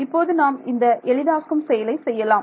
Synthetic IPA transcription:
ɪpːoːðɯnaːmɪnd̪ɐʔɛɻɪðaːskɯmsɛjɐlɐɪsɛjːɐlaːm

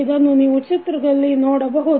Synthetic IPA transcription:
id̪ɐnːuniːʋut͡ʃit̪ɾɐɡɐlːinoːɽɐbɐɦu

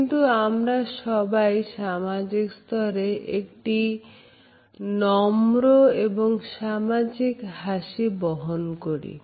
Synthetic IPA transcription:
knt̪uamɾaʃɔbajʃamad͡ʑikst̪ʰɔɾeʔekʈi | nɔmɾoeboŋʃamad͡ʑikɦaʃibɔɦonkoɾḭ

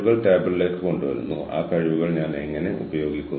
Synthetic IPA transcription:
ɣɐɭʈeːbɨlileːkːɨko̞ɳɖuʋɐ̰ɾṵnːṵa̰ːkɐɻiʋuɣɐɭɲaːne̞ŋːɐne̞ʔṵbɐjo̞ːɡikʲːunː

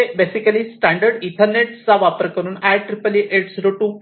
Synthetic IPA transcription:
ebesikəlisʈæ̃ɳɖəɾɖiʈʰəɾneʈt͡saʋapəɾkəɾuːnæʈɾipəliʔeʈsɾoʈu

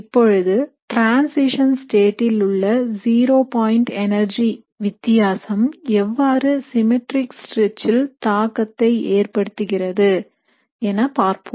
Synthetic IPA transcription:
ɪpːɔɻɯðɯʈɾaːnsɪʂɐnsʈeːʈːɪlɯɭːɐziːɾoːpaːjɪɳʈɛnɐɾd͡ʒi | ʋɪt̪ːɪjaːsɐmɛʋːaːɾɯsɪmɪʈɾɪksʈɾɛt͡ʃːɪlt̪aːkːɐt̪ːɐɪeːrpɐɽɯt̪ːɯɣɪrɐðɯ | ɛnɐpaːɾpɯm

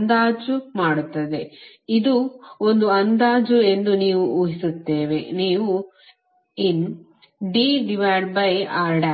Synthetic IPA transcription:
nd̪aːd͡ʒumaːɽut̪ːɐd̪e̞ | id̪uond̪uɐnd̪aːd͡ʒue̞nd̪uniːʋuuːɦisut̪ːeːʋe̞niːʋu | in | ɖiːɖiʋaːɖbɐjaːɾɖɐ

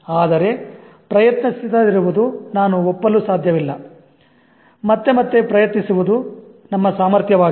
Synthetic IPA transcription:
aːd̪ɐɾe̞ | pɾɐjɐt̪nisid̪ɐd̪iɾuʋud̪unaːnuɔpːɐlusaːd̪ʱjɐʋilːɐ | mɐt̪ːe̞mɐt̪ːe̞pɾɐjɐt̪nisuʋud̪u | nɐmːɐsaːmɐɾt̪ʰjɐʋaː

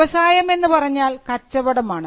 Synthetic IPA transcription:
ɐsaːjɐme̞nːɨpɐrɐɲːaːlkɐt͡ɕːɐʋɐɽɐmaːɳɨ

